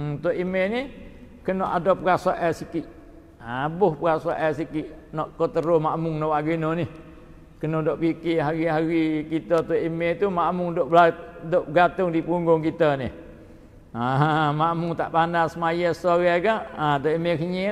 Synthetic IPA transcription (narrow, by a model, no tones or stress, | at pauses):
t̪oʔimenɪh | kənoʔadopəɾasaʔɛsikiʔ | abʊhpəkasaʔɛsikiʔnɔʔkot̪əɾomaʔmʊŋnowaʔɡinonɪh | kənodoʔkikiɦaɾiɦaɾikit̪ət̪oʔimet̪umaʔmʊŋdoʔbadoʔɡat̪ʊŋdipuŋɡʊŋkit̪ənɪ̰h | amamʊŋt̪a̰ʔpandasmajəsoɣaɡaʔat̪oʔimekəɲi